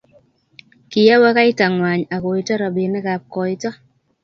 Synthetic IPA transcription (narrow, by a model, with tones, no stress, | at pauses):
kɪ˨ja˦wa˦ka˦ɪ˦ta˨ŋwa˨ɲa˨ko˨ɪ˦tɔ˦ɾɔ˨bɪ˨nɪ˦ka˨p̚kɔ˨ɪ˦tɔ˦